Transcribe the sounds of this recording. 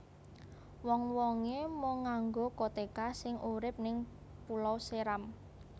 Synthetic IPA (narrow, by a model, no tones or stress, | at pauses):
wɔŋwɔŋemoŋaŋɡokot̪ekasɪŋʔuɾɪp̚nɪŋ | pulɔwseɾam